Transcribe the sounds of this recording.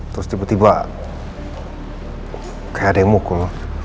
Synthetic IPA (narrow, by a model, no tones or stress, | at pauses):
t̪ɾʊst̪ibat̪ibaʔ | kajaʔdamukol